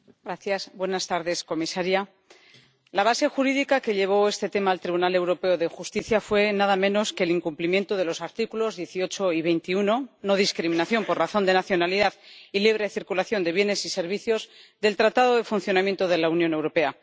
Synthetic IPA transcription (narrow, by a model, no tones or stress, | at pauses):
ɡɾaθjasbwe̞nast̪aɾðe̞sko̞misaɾja | laβ̞ase̞xuɾiðikake̞ʎe̞β̞o̞e̞st̪e̞t̪e̞maːlt̪ɾiβunale̞wɾo̞pe̞oðexust̪iθjafwe̞naðamẽ̞no̞ske̞liŋkumplimje̞nt̪o̞ðe̞lo̞saɾt̪ikulo̞zðje̞θio̞t͡ʃo̞iβ̞e̞jnt̪iuno̞no̞ðiskɾimĩnaθjo̞mpo̞rraθo̞nd̪e̞naθjo̞naliðaðiliβ̞ɾe̞θiɾkulaθjo̞nd̪e̞β̞jene̞sise̞ɾβ̞iθjo̞zðe̞lt̪ɾat̪aðo̞ðe̞funθjo̞namje̞nt̪oðe̞launjõ̞ne̞wɾo̞pe̞a